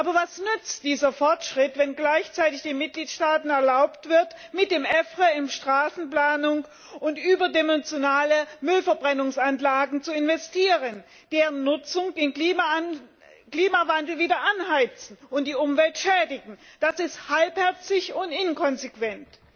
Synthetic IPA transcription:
ʔaːbɐvasnʏt͡std̥iːzɐfɔɐtʃʁ̥ɪtv̥ɛnɡlaɪçt͡saɪtɪçd̥eːnmɪt̚ɡ̥liːtʃtaːtn̩ɛɐlaʊptv̥ɪɐt | mɪt̚d̥eːmʔɛfʁəɪmʃtʁ̥aːsn̩plaːnʊŋ | ʔʊntʔyːbɐdɛmɛnt͡sjonaːləmʏlfɛɐbʁɛnʊŋsanlaːɡŋ̩t͡suɪnvɛstiːʁən | d̥eːʁənːʊt͡sʊŋd̥eɪːnim | kliːmavandl̩viːdɐʔanɦaɪt͡sn̩ʊntd̥iːʔʊmvɛltʃɛːdɪɡŋ̩d̥asɪsthalphɛɐt͡sɪçʊntʔɪnkʰɔnzekv̥ɛnt

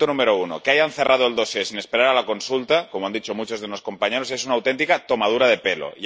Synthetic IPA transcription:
t̪onũmeɾo̞uno̞̰keajan̟θe̞rʔað̞oe̞ld̪osesinespe̞ɾaɾalako̞nsult̪akomoand̪it͡ʃo̞mut͡ʃo̞zðeno̞sko̞mpaɲe̞ɾo̞se̞s̬unawt̪e̞nt̪ikat̪o̞mað̞uɾað̞e̞pe̞lo̰ʝ

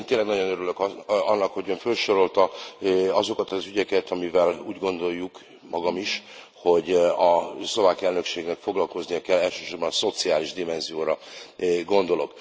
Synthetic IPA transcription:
ent̪eːnlɛɡnɒɟo̞nøɾylø̞kɒnːɒkho̞ɟøːɱfølʃo̞ɾolt̪ɒ | ɒzo̞kɒt̪ɒzyɟɛkɛt̪ɒmivɛluːɟɡo̞nd̪o̞jːuk | mɒɡɒmiʃ | ho̞ɟɒslo̞vaːkiɛlnø̞kʃeːɡnɛkfo̞ɡlɒlko̞znijɒkɛlːɛlʃø̥ːʃo̞ɾbɒnso̞t̪siaːliʒd̪imɛnzijoːɾɒɡo̞nd̪o̞lo̞k

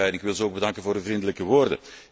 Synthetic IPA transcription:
ɛjɛnɪkʋɪlˠzəoːɡ̚bədɑŋkənvoːɾdəvrindələkəʋoːrdə̰

